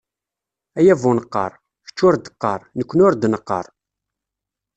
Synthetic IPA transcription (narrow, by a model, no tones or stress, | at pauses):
æjævʊnəqːə̰ɾˤ | çə̥t͡ʃːʊɾd̪ə̥qːəɾˤnəkʷːənʊɾd̪nəqːə̰ɾˤ